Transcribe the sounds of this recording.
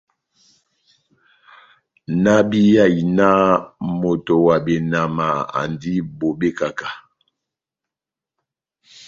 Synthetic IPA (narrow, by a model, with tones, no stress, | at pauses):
na˦bi˦ja˦˨i˨na˦mo˨to˨wa˨be˨na˨ma˨a̰˨ndi˦bo˨be˦ka˨ka˨